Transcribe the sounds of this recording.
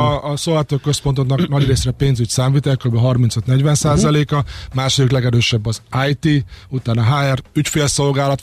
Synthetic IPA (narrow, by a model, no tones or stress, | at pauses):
sovaːt̪øːkːøspo̞nt̪oknɒknɒɟreːsrɛpeːnzycsaːmviːt̪ɛlkøɾybɛɦɒrmint̪søt̪nɛɟʋɛnsaːzɒleːkɒmaːʃod̪iklɛɡɛɾøːʃɛbːɒzajt̪iut̪aːnɒɦaːɛrycfeːlso̞lɡaːlɒt̪